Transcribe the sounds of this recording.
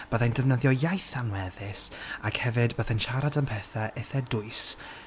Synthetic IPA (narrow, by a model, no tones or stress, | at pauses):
b̥əðajndəvnəðjɔjajθanwɛðɪsakhɛvɨdbəðajnʃaɾadənpʰɛθɛʔeθɛdʊɨs